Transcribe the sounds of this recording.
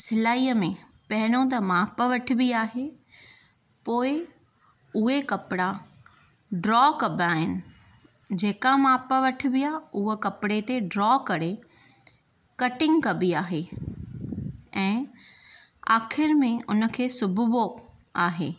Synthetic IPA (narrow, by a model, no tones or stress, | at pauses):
sɪlaːiːəmẽ | pɐɦɪñõt̪̬ɐmaːpəʋɐʈʰɪ̆biaːɦe | poːɪ | ʊɦekɐpɪɽa | ɖɾɔːkɐbaːɦɪnɪ̆ | d͡ʑeːkamaːpəʋɐʈʰɪ̆bijaʊɦəkɐpɪɽet̪eɖɾɔːkɐɽe | kɐʈɪ̃ŋɡkɐbiaːɦe | ɛ̃ː | aːxɪɾmẽʊnə̆kʰeːsʊbʱʊbo | aːɦeː